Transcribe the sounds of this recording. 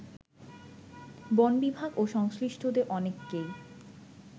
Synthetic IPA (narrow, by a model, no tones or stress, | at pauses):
bonbibʱaɡoʃɔŋsliʃʈʰod̪eɾʔɔnekːej